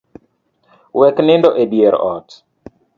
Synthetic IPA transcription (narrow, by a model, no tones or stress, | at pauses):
wɛknɪndɔʔebjeɾɔ̰t